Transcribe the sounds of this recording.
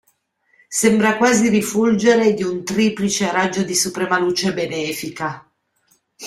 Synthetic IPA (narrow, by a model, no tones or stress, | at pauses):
sembɾakwaːzirifuld͡ʒeɾed̪iunt̪ɾiːplit͡ʃeaɾad͡ʒːod̪isupɾemaluːt͡ʃebenɛːfika